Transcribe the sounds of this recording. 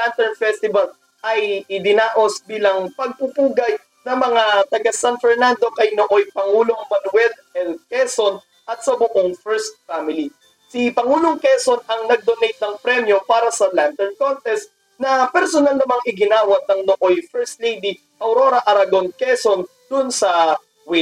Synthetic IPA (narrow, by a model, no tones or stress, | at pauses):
lant̪ɛɹnfɛst̪ɪval | ʔɐjɪd̪ɪnaːʔo̞sbiːlɐŋpɐɡ̚pupuːɡɐj | nɐmɐŋat̪ɐɡasanfɛɹnand̪o̞kɐjnoʔojpɐŋuːlo̞ŋbɐnwɛlɛlkɛson | ʔɐt̪̚sɐbʊʔoŋfɛɹst̪̚famɪli | sipɐŋuːloŋkɛsonɐŋnɐɡ̚d̪onejt̪̚nɐŋpɾɛmjo̞paːɾɐsɐlant̪ɛɹnkont̪ɛst̪ | nɐpɛɾsonalnɐmaŋʔɪɡɪnaːwɐt̪̚nɐŋnoʔojfɛɹst̪lejd̪i | ʔɐwɾo̞ɾɐʔɐɾɐɡonkɛsond̪̥ʊnsɐ | wɪ